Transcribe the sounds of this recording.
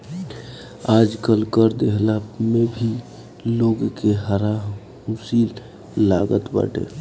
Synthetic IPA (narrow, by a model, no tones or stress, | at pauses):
ad͡ʒkəlkəɾd̪eɦlamebʱi | loɡkeɦəɾa | musilː | aɡət̪bə̰ʈḛ